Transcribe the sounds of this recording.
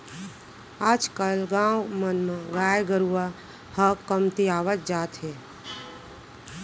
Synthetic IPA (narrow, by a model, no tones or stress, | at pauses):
ad͡ʒkəlɡãːwmənmãɡaːjɡəɾua | həkːəmt̪iaːʋət̪̚d͡ʒaːt̪ɦe